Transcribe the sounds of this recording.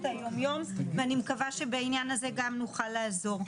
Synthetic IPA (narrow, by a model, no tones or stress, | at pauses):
tajomjomveanimekavaʃe̞beainjanaze̞ɡamnuχalːaːzo̞ʁ